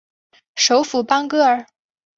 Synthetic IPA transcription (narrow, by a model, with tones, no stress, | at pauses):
ʂo˧˥ʊfu˨˩pɑ˥ŋkɤ˥ə˞˨˩